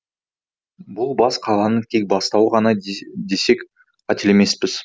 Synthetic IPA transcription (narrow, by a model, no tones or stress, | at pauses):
bʊlˠbɑsqʰɑlˠɑnəŋt̪ʲʰe̞k̚bɑst̪ɑwəʁɑnɑd̪e̞se̞kʲ | qʰɑt̪ɪle̞me̞spɪz̥